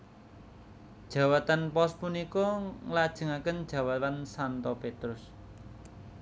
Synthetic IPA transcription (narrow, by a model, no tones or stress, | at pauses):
d̥ʒ̥ä̤wat̪anpɔspunikɔŋlad̥ʒ̥ə̤ŋakənd̥ʒ̥ä̤wat̪ansant̪ɔpet̪ɾʊs